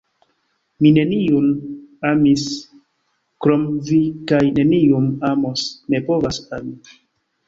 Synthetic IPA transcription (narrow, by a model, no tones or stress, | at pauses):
mine̞niunamis | kɾomvikajne̞niumamosne̞povasami